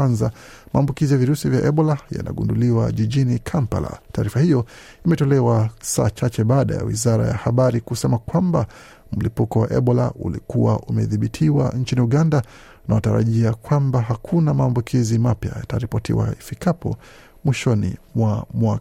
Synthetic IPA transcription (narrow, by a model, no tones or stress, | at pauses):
anza | maːmbukizijaviɾusivjaʔɛɓɔlaja̰na̰ɠunduliwaʄiʄinikʰampa̰la̰taːɾifahijɔ | imɛtɔlɛwasaːt͡ʃat͡ʃɛɓaːɗaja̰wḭzaɾa̰ja̰haɓaɾikusɛmakwamba | m̩lipukɔwaʔɛɓɔla̰ʔulikuwaʔumɛðiɓitʰiwa̰nt͡ʃiniuɠanda | nawataɾa̰ʄiakwambaɦakʰunamaːmbukʰizimapja̰jataɾipɔtḭwa̰ifikapʰɔ̰ | mwiʃɔnḭmwamwak